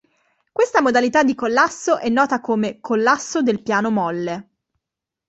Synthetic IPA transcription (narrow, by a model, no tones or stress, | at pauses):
kwest̪amod̪alit̪ad̪ːikolːasːoʔɛnːɔːt̪akomekʰolːasːod̪elpjaːnomɔlːe